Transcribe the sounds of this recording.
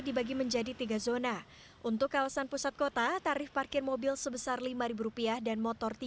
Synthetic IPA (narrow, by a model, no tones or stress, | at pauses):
dibaɡiməɲd͡ʒadit̪iɡazona | ʔunt̪ʊkːawasanpusat̪̚kot̪at̪aɾɪfparkɪrmobɪlsəbəsarlimaɾibuɾupiahdanmɔt̪ɔrt̪i